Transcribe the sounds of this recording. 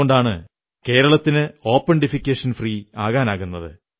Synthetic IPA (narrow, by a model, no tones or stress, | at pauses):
oɳɖaːɳɨ | ke̞ːɾɐɭɐt̪ːinɨo̞ːpːɐɳɖifikʲːeːʂɐnfriːaːɣaːnaːɣunːɐðɨ̰